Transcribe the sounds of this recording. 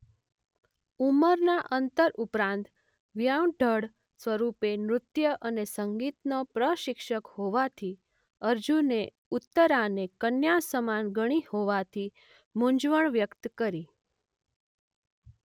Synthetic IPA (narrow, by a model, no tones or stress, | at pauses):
uməɾnaʔənt̪əɾʔupɾãnt̪ | ʋjawɖʱəɽ | sʋəɾupemɾʊt̪jəʔənesəŋɡit̪nopɾəʃɪkʃəkhoʋat̪ʰi | əɾd͡ʒune | ut̪ːəɾanekənjasəmanɡəɽ̃ihoʋat̪ʰi | mũɲd͡ʒʋəɳʋjəkt̪kəɾi